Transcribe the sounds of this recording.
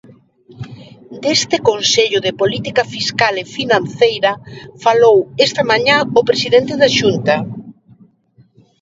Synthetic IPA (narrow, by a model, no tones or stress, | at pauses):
d̪est̪ɪkonseʎʊðɪpolit̪ikɐfiskalefinãnθejɾɐfalowest̪ɐmaɲãopɾesiðent̪eðaʃunt̪ɐ